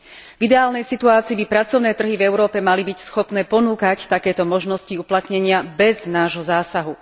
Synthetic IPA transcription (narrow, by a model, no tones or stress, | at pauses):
vid̪ɛaːlnɛjsit̪uaːt͡siːbipɾat͡sɔʊnɛːt̪r̩ɦivɛʊɾɔːpɛmalibicsxɔpnɛːpɔnuːkact̪akɛːt̪ɔmɔʒnɔsciuplat̪ɲɛɲɪabɛznaːʒɦɔzaːsaɦu